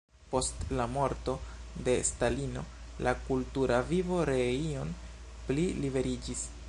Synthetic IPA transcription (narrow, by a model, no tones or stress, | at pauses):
po̞stlamo̞ɾto̞de̞stalino̞̰ | lʔakultuɾavivo̞ɾe̞io̞n | plilive̞ɾid͡ʒis